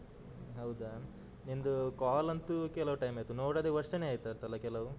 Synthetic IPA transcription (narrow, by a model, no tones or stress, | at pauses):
ɦɐwd̪a | ind̪ukaːlɐnt̪ukɛlɐʋuʈɐjmɐjt̪unoːɽɐd̪eʋɐɾʂɐneaːjt̪ɐnt̪ɐlːɐkɛlːɐʋu